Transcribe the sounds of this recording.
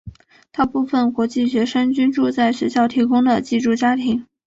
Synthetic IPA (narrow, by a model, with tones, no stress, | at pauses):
t̪a˥˧pu˥˩fə˨˩nkwɔ˧˥t͡ɕi˥˩ɕɥɛ˧˥ʂə˥nt͡ɕy˥nʈ͡ʂu˥˧t͡sa˥˩ɪɕɥɛ˧˥ɕjɑ˥˩ʊt̪ʰi˧˥kʊ˥ŋd̪ə˨t͡ɕi˥˧ʈ͡ʂu˥˩t͡ɕja˥t̪ʰi˧˥ŋ